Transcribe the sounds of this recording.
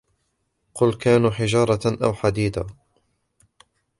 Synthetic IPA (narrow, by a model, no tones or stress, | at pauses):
qʊlkaːnuħɪd͡ʒɑːɾˤɑʔawħad̪iːd̪a